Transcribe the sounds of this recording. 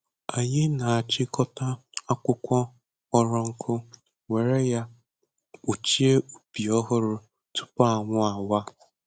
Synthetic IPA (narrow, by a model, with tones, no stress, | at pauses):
a˨ɲɪ˦na˨a˨t͡ʃɪ˦kɔ˦ta˦a˦kʷʊ˦kʷɔ˦ | ɔ˦ɾɔ˦ŋ̩˦kʰʊ˦ | we˨ɾe˦ja˦ | ʊ˨t͡ʃi˦e˦u˨pi˨ɔ˦ɦʊ˦ɾʊ˦ | tʊ̥˦pa˦a˨ŋʷʊ˦a˨wa˦